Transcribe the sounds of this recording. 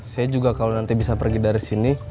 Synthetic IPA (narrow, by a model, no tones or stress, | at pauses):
sajad͡ʒuɡakalonant̪ibisapərɡidaɾisini